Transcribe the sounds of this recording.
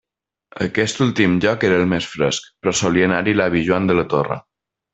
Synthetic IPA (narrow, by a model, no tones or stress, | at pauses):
əkɛst̪ulˠt̪imʎɔkeɾəːlˠmesfɾə̰skpɾɔsoliənaɾilaβiʒuand̪ələt̪orə̰